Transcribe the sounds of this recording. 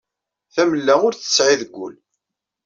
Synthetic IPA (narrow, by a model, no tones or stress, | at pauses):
θæməlːæʊɾθə̥sʕiðəɡʷːʊ̰l